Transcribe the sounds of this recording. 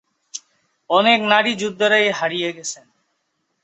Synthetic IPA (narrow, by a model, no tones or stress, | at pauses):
ɔneknaɽid͡ʑud̪ʱːaɾaeɦaɾijeɡɛt͡ɕʰen